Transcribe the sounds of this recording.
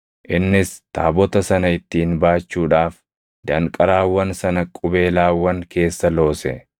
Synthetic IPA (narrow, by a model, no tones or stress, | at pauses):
ʔɪnːɪst̪a̰ːbɔt̪ɐsɐnɐɪt̪ːiːnbaːt͡ʃːuːᶑaːf | d̪ɐŋkʼɐɾaːwːɐnsɐnɐkʼʊbe̞ːlaːwːɐŋke̞ːsːɐlo̞ːsɛ̰